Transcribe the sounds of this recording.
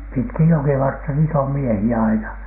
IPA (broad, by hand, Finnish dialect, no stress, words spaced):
pitkij jokiʋɑrtːɑ niːt om miehiæ ɑinɑ